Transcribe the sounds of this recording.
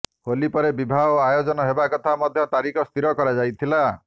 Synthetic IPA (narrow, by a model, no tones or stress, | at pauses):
holipɔɾebibʱaoajod͡ʒɔnɔɦebakɔt̪ʰamɔd̪ʱjɔt̪aɾikɔst̪iɾɔkɔɾad͡ʒajt̪ʰila